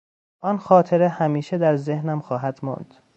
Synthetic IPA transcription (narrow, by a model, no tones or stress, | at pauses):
ʔɒnxɒːt̪ʰe̞ɾehæmiːʃed̪æɾzehnæmxɒːɦæd̪̥mɒ̰nd̪̥